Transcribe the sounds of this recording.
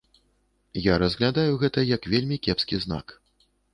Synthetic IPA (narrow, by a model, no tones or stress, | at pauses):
jaɾɐzɣlʲad̪ajuɣɛt̪ɐjɐkvʲelʲmʲikʲɛpskʲizna̰k